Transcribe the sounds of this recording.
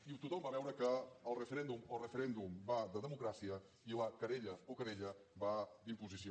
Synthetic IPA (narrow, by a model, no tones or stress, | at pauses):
it̪ut̪ombaβɛwɾəkəːlˠrəfəɾɛnd̪umolˠrəfəɾɛnd̪umbad̪əðəmukɾasiə | iləkəɾeʎəokəɾeʎəbad̪impuzisio